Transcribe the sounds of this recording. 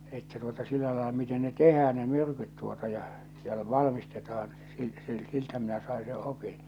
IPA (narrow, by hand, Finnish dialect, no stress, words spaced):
etːæ tuotɑ silːæ lɑelɑ miten ne tehæːn ne myrkyt tuotɑ jɑ jɑ l ʋɑlmistetɑːn sil sil siltæ minæ sɑˑe se opin